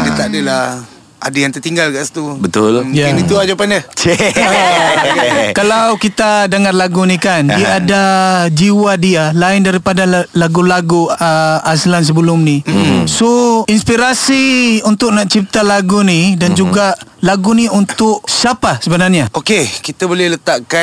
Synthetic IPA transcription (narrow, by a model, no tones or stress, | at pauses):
dət̪aʔdəla | adajaŋt̪ərt̪iŋɡalkaʔsḁt̪ubət̪ʊljaanit̪uad͡ʒapanət͡ʃe | kalawkit̪adəŋarlaɡunikaniaːdad͡ʒiwadialaɪndaɾipadalaɡulaɡuəaslans̬əbəlʊmnisoinspiɾasiunt̪ʊʔ̚naʔt͡ʃip̚t̪alaɡunidand͡ʒuɡaʔlaɡuniunt̪ʊʔsapasəbənarɲaokekit̪əbolɛhlət̪aʔka